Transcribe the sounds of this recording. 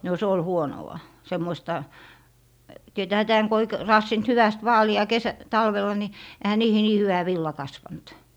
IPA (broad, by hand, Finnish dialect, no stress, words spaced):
no se ol huonowɑ semːoistɑ tietæːhæ tæːŋ ko ei k rɑːsːint hyʋæst ʋɑːliɑ kesæ tɑlʋelˑɑ ni ehæ niːhi niː hyʋæ ʋilːɑ kɑsʋɑnt